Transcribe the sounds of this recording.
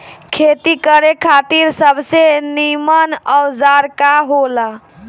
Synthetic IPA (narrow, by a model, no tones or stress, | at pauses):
kʰet̪ikəɾekʰat̪iɾsəbʱsenimənɔd͡ʒaɾkaɦola